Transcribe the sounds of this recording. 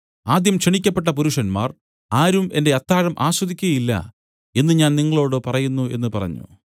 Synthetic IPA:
aːd̪jɐmkʂeɳikʲːɐpːe̞ʈ̬ːɐpuɾuʂɐnma̰ːr | aːɾume̞nde̞ɐt̪ːaːɻɐmʔaːɕwɐd̪ikʲːuɣɐjilːɐ̰ | e̞nːɨɲaːnniŋːɐɭo̞ːɽɨpɐrɐjunːue̞̰nːɨpɐrɐ̰ɲːṵ

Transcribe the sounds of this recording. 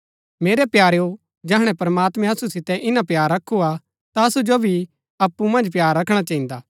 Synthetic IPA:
meːɾɛpjaːɾeo | d͡ʒɛɦɽ̃ɛ̃pɐɾɐmaːt̪mɛ̃ɐsusɪt̪ɛ̃ʔɪnãpjaːɾːɐkʰːua | t̪aɐsud͡ʒobʱi | ɐpːumɐ̃nd͡ʒpjaːɾːɐkʰɽ̃at͡ʃɐɦĩːnd̪aː

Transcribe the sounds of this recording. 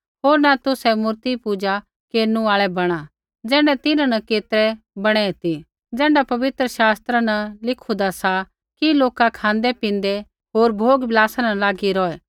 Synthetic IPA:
ɦoːɾnat̪ʊsɛmʊɾt̪ipʊd͡ʒa | keːɾnũaːɭɛbɐɽ̃a | d͡zɛːɳɖɛt̪ɪnãnɐkeːt̪ɾɛ | bɐɽ̃ɛɦɪt̪i | d͡zɛ̃ːɳɖapɐʋɪt̪ɾəʃaːst̪ɾanɐlɪkʰud̪asa | kiloːkakʰãːnd̪ɛpɪ̃nd̪ɛ | ɦoːɾbʱoːɡbɪlaːsanɐlaːɡiɾɔːɛː

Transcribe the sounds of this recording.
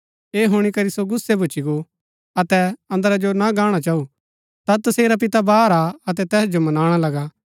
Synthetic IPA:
eːɦʊɽ̃ikɐɾisoɡʊsːebʊt͡ʃiɡo | ɐt̪ɛɐ̃nd̪əɾad͡ʒonaɡaːɽ̃at͡ʃaːu | t̪at̪ɐseːɾap̬ɪt̪abaːɾaɐt̪ɛt̪ɛːsd͡ʒomɐnaːɽ̃alɐɡa

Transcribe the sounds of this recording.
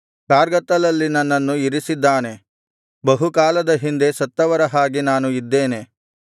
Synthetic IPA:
kaːɾɡɐt̪ːɐlɐlːinɐnːɐnːuiɾisid̪ːaːne̞ | bɐɦukaːlɐd̪ɐɦind̪e̞sɐt̪ːɐʋɐɾɐɦaːɡinaːnuid̪ːeːne̞

